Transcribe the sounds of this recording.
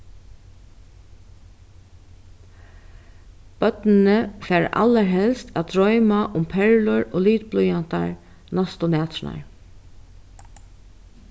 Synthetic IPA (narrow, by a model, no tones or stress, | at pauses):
b̥œt̪nɪnəfɛːɹa̰ləɹɦɛlst̪æːt̪̚d̪ɹɔʏmaʔʊmpʰɛɹlʊɹoːliːt̪̚blʊjan̥t̪a̰ɹ | nast̪ʊnæːt̪ɾɪna̰ɹ